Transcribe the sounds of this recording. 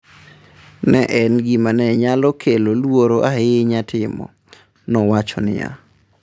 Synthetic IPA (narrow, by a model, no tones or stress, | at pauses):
nɛʔɛnɡimanɛɲalɔkʰelolwoɾoʔaɦɪɲatʰɪmɔ̰ | nɔwat͡ʃɔnɪ̰ja̰